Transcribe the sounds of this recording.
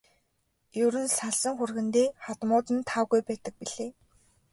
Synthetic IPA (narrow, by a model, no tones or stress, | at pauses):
jɵɾɘ̆nsaɮsə̆ŋxurɣɘ̆nt̪eːχat̪mʊːt̪ɘ̆nt̪ʰawɣujpæːt̪ə̆k̚piɮeː